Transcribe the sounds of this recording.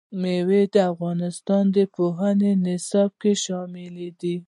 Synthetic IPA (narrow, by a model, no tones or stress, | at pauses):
mewed̪əafɣɑnɪst̪ɑnd̪əpoɦanenɪsɑb̚keʃɑmɪled̪i